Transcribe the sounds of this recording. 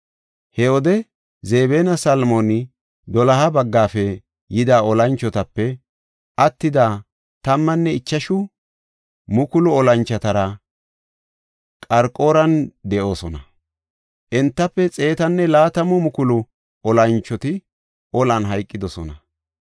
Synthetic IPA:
hɛɔd̪ɛ | ze̞ːbeːnɐsɐlmonɪ | d̪ɔlɐɦɐbɐɡːaːfɛ | jɪd̪aːɔlɐnt͡ʃːɔt̪ɐpːɛ | ʔɐt̪ːɪd̪aː | t̪ɐmːɐnːɛɪt͡ʃːɐʃʊ | mʊkʊlʊɔlɐnt͡ʃːɐt̪ɐɾɐ | kʼɐɾkʼoːɾɐnd̪ɛʔo̞ːsɔnɐ | ʔɛnt̪ːɐpːɛt͡sʼe̞ːt̪ɐnːɛlaːt̪ɐmʊmʊkʊlʊ | ɔlɐnt͡ʃːɔt̪ɪ | ʔɔlɐnɦɐjkʼːɪd̪ɔsɔ̰nɐ̰

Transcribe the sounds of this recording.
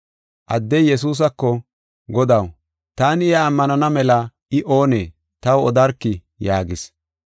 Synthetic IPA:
ʔɐd̪ːɛjjːɛs̬uːs̬ɐkːɔ | ɡɔd̪ɐw | t̪aːnɪaːmːɐnɐnɐmɛlɐ | ɪʔo̞ːneː | t̪ɐwɔd̪ɐɾkːɪ | jaːɡɪs

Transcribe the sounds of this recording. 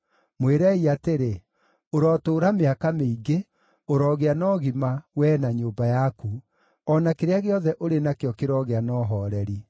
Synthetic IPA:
mweɾɛiateɾe | oɾɔtoːɾameakameiɡe | oɾɔɣeanɔːɣimawɛnaɲoːbajaku | ɔnakeɾeaɣeɔðɛʔoɾenakeɔkeɾɔɣeanɔːɦɔːɾɛɾi

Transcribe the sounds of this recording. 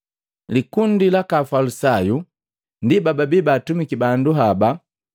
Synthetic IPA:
likundilakafalusaju | ndibababibaːtumikibanduɦaba

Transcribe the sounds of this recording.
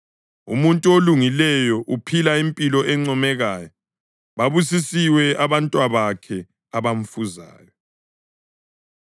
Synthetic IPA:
ṵmuntʼuoluŋilɛjɔʔupʰilaimpʼilɔʔɛŋ͡ǀɔmɛɣaːjɔ | βaβus̬isiwɛaβantʼwaβakʰɛ | aβam̩fuza̰ːjɔ

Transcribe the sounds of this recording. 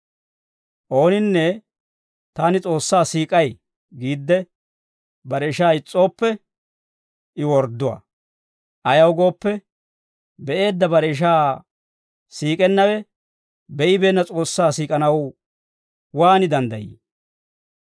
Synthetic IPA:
ʔo̞ːnɪnːɛ | t̪aːnɪt͡sʼo̞ːsːaːsiːkʼɐj | ɡiːd̪ːɛ | bɐɾɛʃaːɪt͡sʼːo̞ːpːɛ | ʔɪwɔɾd̪ʊwa̰ː | ʔɐjɐwɡo̞ːpːɛ | bɛʔe̞ːd̪ːɐbɐɾɛːʃ̬aː | siːkʼɛnːɐwɛ | bɛʔɪbe̞ːnːɐt͡sʼo̞ːsːaːsiːkʼɐnɐw | waːnɪd̪ɐnd̪ɐjḭ

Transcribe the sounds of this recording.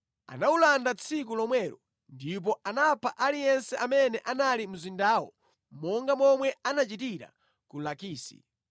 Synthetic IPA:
a̰naulandat͡sʰikulɔmwɛːɾɔ | ndip̬ɔʔanapʰaʔalijɛnsɛʔamɛnɛʔanalim̩zindaːwɔ̰ | mɔŋɡamɔmwɛanat͡ʃitiɾa̰ | kulakiːsḭ

